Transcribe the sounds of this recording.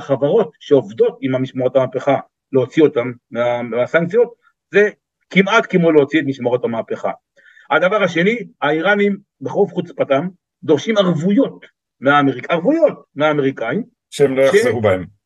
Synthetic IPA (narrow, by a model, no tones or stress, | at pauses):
χavaʁo̞tʃeovdo̞timamiʃmaʁo̞tamaːpeχa | leot͡sio̞t̪amːeaasaŋkt͡sijo̞t̪̚ | ze̞ | kimat̪kemo̞leot͡siet̪̬miʃmaʁo̞tamaːpe̞χa̰ | had̪avaʁaʃe̞niaiʁanim | beχʁuvχut͡spatam | d̪o̞ʁʃimaʁvujo̞t | meaːmeʁikaʁvujo̞t̪meaːmeʁikaim | ʃeemlojaʃezeʁubaem